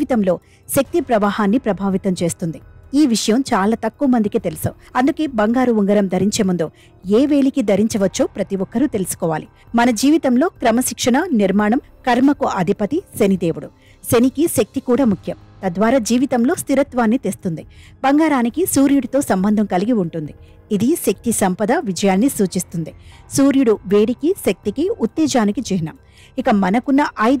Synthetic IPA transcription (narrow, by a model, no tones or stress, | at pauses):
it̪ɐmlo̞ː | ʃɐk̚t̪ipɾɐʋaːhaːnːipɾɐbʱaːʋit̪ɐmt͡ʃe̞ːst̪und̪iiːʋiʂɐjɐmt͡ʃaːlaːt̪ɐkːuʋɐmɐnd̪ikit̪e̞lisɐ̰ | ɐnd̪uke̞ːbɐŋɡaːɾuʋuŋɡɐɾɐmd̪ʱɐɾiɲt͡ʃe̞ːmund̪oː | eːʋe̞ːɭikid̪ʱɐɾiɲt͡ʃɐʋɐt͡ʃːoːpɾɐt̪iʋɔkːɐɾut̪e̞lisu̥kɔːʋa̰ːli | mɐnɐd͡ʒiːʋit̪ɐmlo̞ːkɾɐmɐʃikʂɐɳɐniɾmaːɳɐm | kɐɾmɐkuʔɐd̪ʱipɐt̪isenid̪eːʋuɽu | senikiʃɐk̚t̪ikuːɽaːmukʰjɐmt̪ɐd̪ʋaːɾaːd͡ʒiːʋit̪ɐmlo̞ːst̪iɾɐt̪ʋaːnːit̪est̪und̪ibɐŋɡaːɾaːnikisuːɾjuɽut̪o̞ːsɐmbɐnd̪ʱɐmkɐliɡiuɳʈund̪i | id̪iʃɐk̚t̪isɐmpɐd̪ɐʋid͡ʒɐjaːnːisuːt͡ʃist̪und̪isuːɾjuɽuʋe̞ːɽikiʃɐk̚t̪ikiut̪ːɛːd͡ʒaːnikid͡ʒiɦinɐ̰ːm | ikɐmɐnɐkunːɐʔɐj